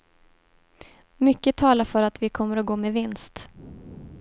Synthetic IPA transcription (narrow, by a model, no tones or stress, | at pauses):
mʏkːət̪ʰɑːlafœɾat̪vɪkʰɔmːəɾɔɡoːmeɛvɪnst̪